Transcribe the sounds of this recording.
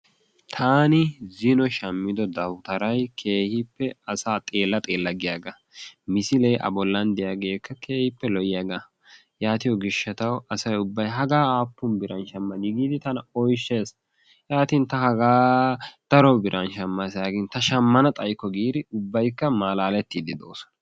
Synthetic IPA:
t̪ʰaːnɪzɪnɔʃɐmːɪd̪ɔd̪ɐwt̪ɐɾɐjkʰe̞ːhɪpːɛɐsaːt̪ʼeːlːɐt̪ʼe̞ːlːɐɡɪjaːɡɐ | mɪsɪlɛjʔɐ̰bɔlːɐnd̪ɛjaɡe̞ːkːɐkʰe̞ːhɪpːɛlɔjɪjaːɡɐ | jaːt̪ɪjɔɡɪʃːɐt̪ɐwɐsɐjʊbːɐjɦɐɡaːaːpːʊnbɪɾɐnʃɐmːɐd̪ɪɡiːd̪ɪt̪ɐnɐɔjʃːe̞ːs | jaːt̪iːnt̪ɐhɐɡaːd̪̥ɐɾɔbɪɾʔɐnʃɐmːɐsaːɡɪnt̪ɐʃɐmːɐnɐt̪ʼɐjkːɔɡiːd̪ɪʊbːɐjkːɐmaːlaːlɛt̪ːiːd̪ɪd̪o̰ːsɔ̥nɐ̥

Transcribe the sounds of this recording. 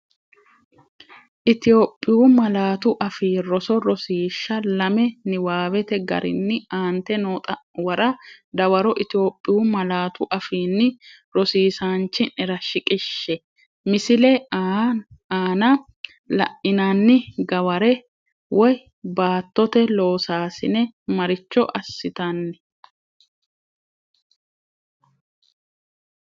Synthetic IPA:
ʔɪt̪ɪjo̞ːpʼːɪumɐlaːt̪ʊʔɐfiːɾɔsɔɾɔsiːʃːɐlɐmɛnɪwaːwɛt̪ɛɡɐ̰ɾʔɪ̰nːɪaːnt̪ɛnoːt̪ʼɐwɐɾɐd̪ɐwɐɾɔʔɪt̪ɪo̞ːpʼːɪjuːmɐlaːt̪ʊʔɐfiːnːɪ | ɾɔsiːsaːnt͡ʃːɪnɪɾɐʃɪkʼɪʃːɛ | mɪsɪlɛ | aːnɐ | lɐ̰ʔɪnanːɪɡɐwɐɾɛ | wɔj | baːt̪ːɔt̪ɛlo̞ːsaːsɪnɛmɐɾɪt͡ʃːɔʔɐsːɪt̪ɐnːɛ

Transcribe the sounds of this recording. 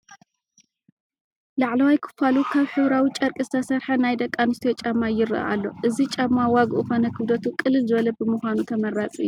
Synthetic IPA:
laʕlɐwajkʰɨ̥falukʰaβħɨβɾawit͡ʃʼɐɾkʼɨsɐsɐɾħɐnajd̪ɐkʼːanɨst̪ʰot͡ʃʼɐmːajɪɾɨʔʔa̰lːo̞ʔɨzit͡ʃʼamːawaɡʔufonɐkʰɨβd̪ɐt̪ukʼɨlːɨlzɨβɐlɐbɨmɨxʷanut̪ʰɐmɐɾat͡sʼuʔɨjːu

